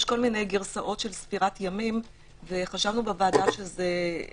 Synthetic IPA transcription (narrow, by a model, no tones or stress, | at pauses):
jʃko̞lminejɡiʁsaʔo̞tʃe̞lsfiʁatjamim | veχaʃavnubevaːdaʃe̞ze